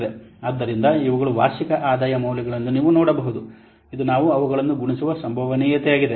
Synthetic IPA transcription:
d̪eɐd̪ːɐɾind̪ɐiʋɐɡɐɭuʋa̰ːɾʃikɐʔaːd̪aːjɐmɐwlɐɡɐɭɐnːuniːʋunɔːɽɐbɐɦud̪u | id̪unaːʋuɐʋɐɡɐɭɐnːuɡuɳisuʋɐsɐmbʱɐʋɐniːjɐt̪ɛjaːɡid̪e

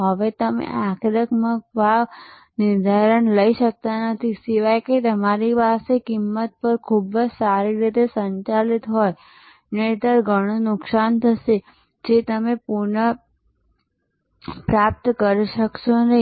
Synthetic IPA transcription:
ɦəʋet̪əmḛʔakʰɾəkmək̚bʱaʋ | nɪɾd̪ʱaɾəɳləiʃək̚t̪anət̪ʰisiʋajket̪əmaɾiʋasekimːət̪̚pəɾkʰubd͡ʒsaɾiɾit̪esəɲt͡ʃalit̪ɦoj | net̪əɾɡʱəɽ̃onʊksant̪ʰəʃe | d͡ʒet̪əmepuɾɳə | pɾap̚t̪kəɾiʃəkʃonə

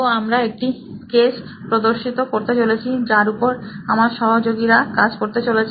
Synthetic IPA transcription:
oamɾaek̚ʈi | keʃ | pɾod̪oɾʃit̪okoɾt̪et͡ɕolet͡ɕʰid͡ʑaɾupoɾamaɾʃɔɦod͡ʑoɡiɾakad͡ʑkoɾt̪et͡ɕolet͡ɕʰ

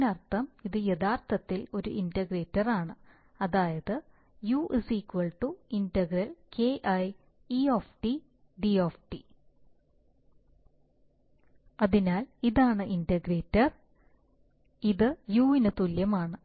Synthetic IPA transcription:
nɐrt̪ʰːɐmiðɨjɐðaːrt̪ɐt̪ːilo̞ɾuʔindɐɡreːtːɐraːɳɨ | ɐðaːjɐðɨ | juːʔisikʋɐɭʈuindɐɡɾɐlkeːʔɐj | ioːfʈi | ɖioːfʈi | ɐðinaːliðaːɳɨʔindɐɡreːtːɐr | iðɨjuːinɨt̪uljɐmaːɳɨ

